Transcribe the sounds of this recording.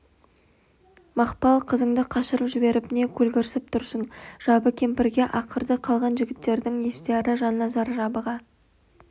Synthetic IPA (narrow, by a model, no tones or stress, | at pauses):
mɑqpɑlˠqʰəzəɴd̪əqʰɑʃəɾəpʒɪbe̞ɾɪpɪne̞kʲʰɵlɡʲɪɾsɪp̚t̪ʰʊɾsənʒ̥ɑbəkʲʰe̞mpɪɾɡʲe̞ʔɑqʰəɾd̪əqʰɑlˠʁɑnʒɪɡʲɪt̪ːe̞ɾd̪ɪŋje̞st̪eɾɪʒɑnːɑzɑɾʒɑbəʁɑ